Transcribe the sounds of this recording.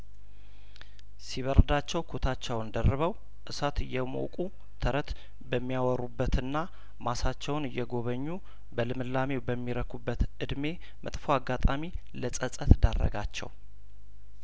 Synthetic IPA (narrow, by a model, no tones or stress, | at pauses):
siβəɾd̪at͡ʃːɛwkʰot̪ʰat͡ʃːɛwnd̪ərːɨβəw | ʔɨsat̪ɨjːɛmo̰kʼu | t̪ʰəɾət̪ | bəmːijawɔɾubːət̪ɨnːa | masat͡ʃːɛwnɨjːɛɡo̞βəɲːu | bəlɨmɨlːame̞bəmːiɾəkʰubːət̪ɨd̪me̞ | mʔə̰t̪ʼfoaɡat̪ʼami | ləsʼəsʼət̪d̪arːə̰ɡat͡ʃːɛ̰w